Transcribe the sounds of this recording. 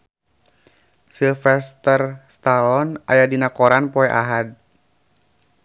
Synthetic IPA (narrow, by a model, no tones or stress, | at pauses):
silfɛst̪ərst̪alɔnajadinakɔɾanpɔɛʔa̰ɦad̚